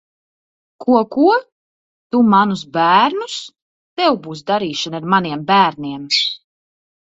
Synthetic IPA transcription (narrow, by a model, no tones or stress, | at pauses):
kʰuɔkuɔ | t̪umanusbæːɾnus | t̪ɛwbuːs̬d̪aɾiːʃanɨaɾmaniɛmbæːɾnʲiɛm